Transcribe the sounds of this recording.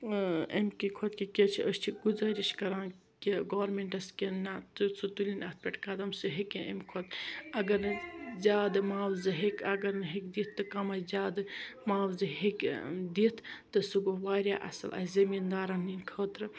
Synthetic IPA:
emʲkikʰot̪kikʲet͡ʃʰiʔəʃt͡ʃʰiɡuzaːɾiʃkɐɾaːn | kiɡoːʋɾmeɳʈɐskinat̪ɨsɨt̪ulʲinɐt̪̚ʰpʲeʈkɐd̪ɐmsɨɦekenʔḛmʲkʰot̪ɐɡɐɾnɨzʲaːd̪ɨmaːwzɨɦekɐɡɐɾnɨɦekd̪iːt̪ʰːɨkɐmɐjzʲaːd̪ɨmaːwzɨɦekd̪iːt̪ʰt̪ːɐsuɡoʋaːɾʲjaːʔɐ̰sɐ̰lʔɐ̰ːzɐmind̪aːɾɐninkʰɐːt̪ɾɨ

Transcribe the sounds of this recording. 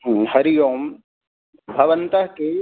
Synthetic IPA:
ɦhɐɾijoːm | bʱɐʋənt̪ɐɦke

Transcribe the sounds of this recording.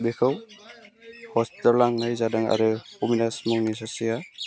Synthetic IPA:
bekʰɯw | hɔsitɔlːaŋnajzadaŋa̰ɾɯuminasmɔŋnisasija

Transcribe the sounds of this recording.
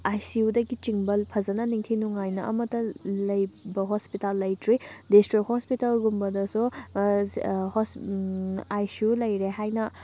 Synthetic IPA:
ajsiudɐɡit͡ʃiŋbɐlpʰɐzɐnɐniŋtʰinuŋajnɐʔɐ̰mɐtɐlɐjbɐɦospitalːɐjtɾidistɾik̚hospitalɡumbɐdɐsu | hos | ajsiulɐjɾeɦajnɐ

